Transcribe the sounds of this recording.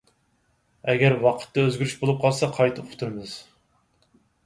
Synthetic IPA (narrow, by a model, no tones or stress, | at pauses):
ɛɡʲɛɾwɑqʰə̥t̪ːɛøzɡʲyɾyʃbolˠup̚qʰɑlˠsɑqʰɑjt̪ʰɨʊ̥t̪ʰuɾɨmɨz̥